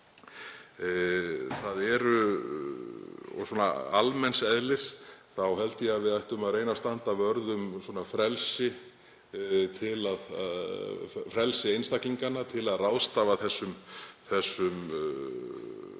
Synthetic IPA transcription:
θaðɛɾʏ | ɔ̰ɣsɔːna̰almɛnsɛðlɪsθawhɛlt̪ɪaðvɪðajht̪ʏmaðrɾejnast̪ant̪avœɾðʏmswɔːnafɾɛlsɪ | t̪ʰɪlað | fɾɛlsɪejnst̪akiŋkanːat̪ʰɪlaðrawðst̪avaθɛsːʏmθɛsːʏm

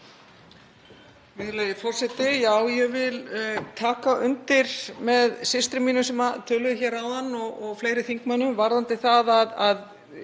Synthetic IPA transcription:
mɪðleːjɪfɔr̥sɛt̪ɪjaːwjɛɣvɪlt̪ʰaːkaʔʏ̰nt̪ɪɾ̥mɛðsɪst̪ɾɪmiːnʏsɛmat̪ʰœːlʏðɪçɛːɾawðanːɔɣɔɣfleːjɾɪθiŋkmanːʏmvaɾðant̪ɪθaðaðað

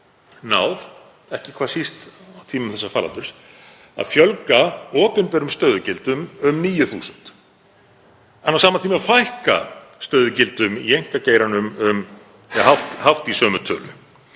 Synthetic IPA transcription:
naːwð | ɛhcɪkʰvaːsist̪awt̪ʰiːmʏmθɛsːafaːla̰nt̪ʏɾ̥s | a̰ðfjœlkaɔːpɪnpɛɾʏmst̪œːɥðʏcɪlt̪ʏmʏmniːjʏθṵːsʏn̥t̪ | ɛnːawsaːmat̪ʰiːmɪafajhka̰ | st̪œːɥðʏcɪlt̪ʏmḭejŋ̥kaceːjɾanʏmʏm | ɛhɦawht̪hawht̪isœːmʏt̪ʰœːlʏ̰

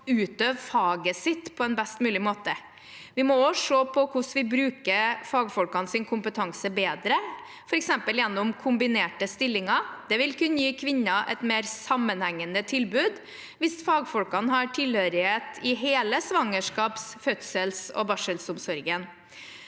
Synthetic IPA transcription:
ʉːt̪øːʋfɑːɡəsɪt̪ːpʰɔɛnbɛst̪mʉːlɪmoːt̪ə | ʋɪmɔoʂoːpʰɔkʊsʋɪbɾʉːkəɾfɑːɡfɔlkɑnsɪnkʰʊmpət̪ʰɑŋsəbeːd̪ɾə | fɔɾɛksɛmpəljɛnːʊmkʰʊmbɪneːʈəst̪ɪlːɪŋɑd̪̥ɛʋɪlkʉnːəjiːkʰʋɪnːɑʔɛ̰t̪meːɾsɑmːənhæŋːənət̪ʰɪlbʉːd̪ | ʋɪsfɑːɡfɔlkɑnɦɑʈʰɪlhøɾɪheːt̪ʰɪɦeːləsʋɑŋːəʂkɑːpsfœt̪səlsɔ̰bɑʂəlsʊmsɔɾɡən

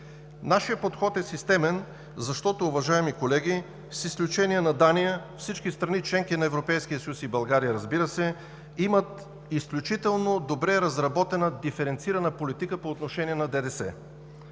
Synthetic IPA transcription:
naʃijəpot̪xɔt̪ɛsist̪ɛmɛn | zɐʃt̪ɔt̪oːvɐʒaɛmikolɛɡ̟i | sisklʲut͡ʃɛnijɛnɐd̪anijəfsit͡ʃkist̪ɾɐnit͡ʃlɛŋkinɐɛvɾopɛjskijəsɐjusibɐlˠɡaɾijəɾɐzbiɾəsɛ | imət̪ | isklʲut͡ʃit̪ɛlˠnod̪obɾɛɾɐzɾɐbɔt̪ɛnəd̪ifɛɾɛnt̪siɾɐnəpolit̪ikəpoːt̪noʃɛniɛnɐd̪ɛd̪ɛsɛ̰

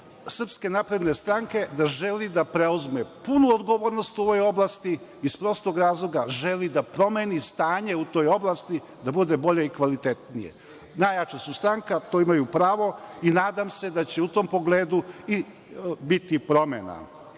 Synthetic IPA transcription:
sr̩pske̞napɾe̞d̪ne̞st̪ɾaŋke̞d̪aʒelid̪apɾeuzmepunuod̪ɡoʋoːɾno̞st̪uo̞ʋo̞jo̞blast̪iispɾo̞st̪oɡɾaːzlˠo̞ɡaʒelid̪apɾo̞menist̪aːɲe̞ut̪o̞ːjo̞blˠast̪i | d̪abud̪e̞bo̞ʎeikʋalit̪et̪nijḛ | najat͡ʃasust̪ɾaŋkat̪oːimajupɾaːʋo̞inaːd̪amse̞d̪at͡ɕeut̪o̞mpo̞ɡle̞ːd̪ui | bit̪ipɾo̞mḛna̰

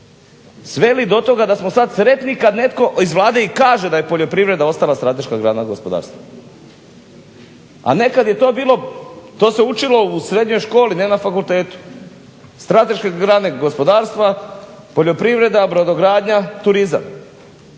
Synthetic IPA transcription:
sʋelid̪o̞t̪o̞ɡad̪asmo̞sad̪sɾe̞t̪nikad̪ne̞t̪ko̞izʋlˠaːd̪e̞ikaːʒed̪aje̞po̞ʎo̞pɾiʋɾe̞d̪ao̞st̪alast̪ɾat̪e̞ʃkaɡɾanaɡospo̞d̪a̰ːɾst̪ʋa | a̰ne̞kad̪je̞t̪o̞ːbiːlˠo̞t̪o̞ːse̞ut͡ʃilo̞usɾe̞d̪ɲo̞jʃko̞ːlinenafakult̪e̞ːt̪u̥ | st̪ɾat̪e̞ʃkeɡɾaneɡo̞spo̞d̪aːɾst̪ʋa | po̞ʎo̞pɾiʋɾe̞d̪abɾod̪oɡɾaːd̪ɲat̪uɾiza̰m

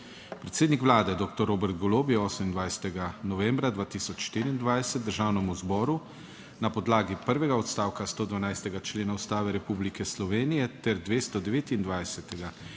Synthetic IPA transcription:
pɾɛt̪seːd̪nikʋwlaːd̪ɛd̪oːkt̪ɔɾoːbɛɾt̪̚ɡɔloːbijɛɔːsəmind̪ʋajsɛ̥t̪ɛɡanɔʋɛ̃mbɾad̪ʋaːt̪isɔt͡ʃʃt̪iɾiːnd̪ʋajsɛt̪̚d̪əɾʒaːwnɛmuzbɔːɾu | napɔd̪laːɡipəɾʋɛɡaɔt̪st̪aːwkast̪oːd̪ʋanajst̪ɛɡat͡ʃleːnaust̪aːʋɛɾɛpublikɛslɔʋeːnijɛt̪ɛɾd̪ʋeːst̪ɔd̪ɛʋeːt̪ind̪ʋajsɛt̪ɛɡa

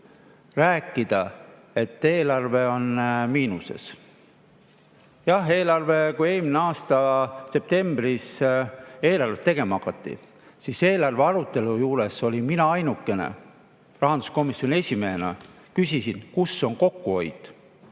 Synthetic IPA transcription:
ræːkːˑid̪̥ɑ | e̞t̪ːe̞ːlɑrve̞o̞nmiːnuse̞̰s | jɑhe̞ːlɑrve̞kuje̞ːlʲmineɑːst̪ɑse̞p̚t̪e̞mbris | e̞ːlɑrvet̪e̞ɡ̥e̞mɑɑkːɑt̪ːḭ | siːse̞ːlɑrveɑɾut̪ˑːe̞lujuːɾe̞so̞liminɑɑjnukːˑe̞ne̞̰ | rɑɦɑnd̪u̥sko̞misjonie̞sʲimeenɑ̰ | kysisinkusːo̞nko̞kːuo̞jd̪̥

